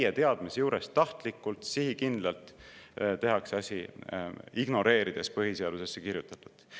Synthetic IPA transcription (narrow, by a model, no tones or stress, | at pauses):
jet̪e̞ɑd̪̥mesejuːɾest̪ɑht̪likːˑult̪siɦikind̪lɑlt̪ˑt̪e̞ɦɑkseɑsʲi | iɡ̥no̞ɾe̞ːɾid̪̥e̞spɤɦiseɑd̪̥usesːekiɾjut̪ːˑɑt̪ːˑu̥d̥̪